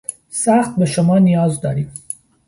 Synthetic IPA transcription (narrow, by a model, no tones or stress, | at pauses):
saxt̪̚bəʃʊmɑnijɑzd̪ɑ̰ɾim